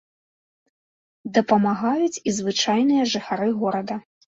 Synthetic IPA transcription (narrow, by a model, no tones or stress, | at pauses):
d̪ɐpɐmaɣajut͡sʲizvɨt͡ʂajnɨjɐʐɨxaɾɨɣɔɾɐd̪ɐ